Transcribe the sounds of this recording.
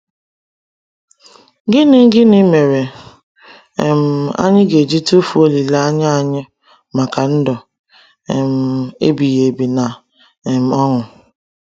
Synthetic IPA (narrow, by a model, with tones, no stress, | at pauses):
ɡɪ˦nɪ˦ɡɪ˦nɪ˦me˨ɾe˨ | e˨m̩˨a̰˦ɲɪ˦ɡe˨d͡ʒi˦tu˦fu˦o˦li˨le˦a˦ɲɪ˦a˦ɲɪ˦ | ma˨ka˨n̩˦dɔ˨ | m̩˨e˦bi˨je˨bi˨na˨ | m̩˨ɔ˦ŋʊ˨